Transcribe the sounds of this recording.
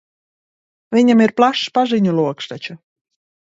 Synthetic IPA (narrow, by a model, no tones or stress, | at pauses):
vʲiɲʲamiɾplˠaʃpaʒɨɲʲulˠuɔkʃt̪at͡ʃa